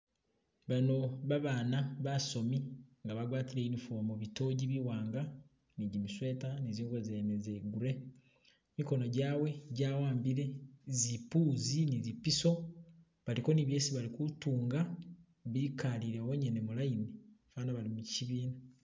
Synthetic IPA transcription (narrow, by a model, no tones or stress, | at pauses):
βano̞βaβaːnaβaso̞miŋɡaβaɡwaːtiɾeinifomuβito̞ːɟiβiwaːŋɡa | niɟimiswe̞ːtaniziːŋɡwozenezeɡuɾe̞ | miko̞no̞ɟaːwe̞ɟaːwaːmbiɾe̞zipuːzinizipiso̞ | βaliko̞niβje̞ːsiβalikutuːŋɡa | βikaliɾewoɲenemulajinifaːnaβalimuciβiːna